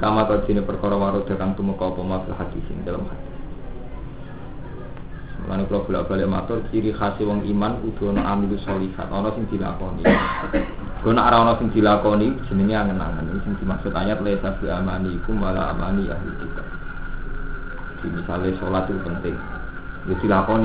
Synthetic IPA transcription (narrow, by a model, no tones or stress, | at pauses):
kamat̪ɔrd̥̪i̤nepərkɔɾɔwaɾʊd̪̥a̤kant̪uməkɔupɔmab̥əlhad̪̥i̤sɪ̰ŋkelə̰mhad̪̥i̥ | səmṵla̰nekulɔb̥ṳla̰ʔb̥a̤lɪʔma̰t̪ɔrt͡ʃiɾixasiwɔŋimankud̪̥ɔ̤nɔʔamikusɔlifa̰t̪ɔnɔsɪŋd̪̥i̤la̰kɔnḭ | ud̪̥ɔ̤nɔʔaɾaɔnɔsɪŋd̪̥i̤lakɔnid̥ʒ̥i̤niniaŋəna̰ŋənikisɪŋd̪̥i̤maksʊt̪aɲat̪lasab̥i̤amaniːkumala̰a̰ma̰nija̰hḭd̪ik̪a | d̪̥i̤misalesolat̪ikupənt̪ɪŋ | ŋɡod̪̥ilakɔni